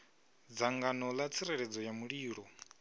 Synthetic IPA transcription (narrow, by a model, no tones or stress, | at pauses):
d͡zaŋɡanɔlat͡sʰiɾɛɺɛd͡zɔjamuɺiːɺɔ